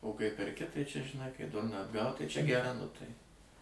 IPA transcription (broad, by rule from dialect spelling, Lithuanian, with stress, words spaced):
oː kɐɪ pʲɛrʲˈkʲɪ ˈtɐɪ t͡ʃʲɛ ʒʲɪˈnɐɪ kɐɪ ˈdʊrnɑː ɐdˈɡɐʊt ˈtɐɪ t͡ʃʲɛ ɡʲɛˈrɐ nʊ ˈtɐɪ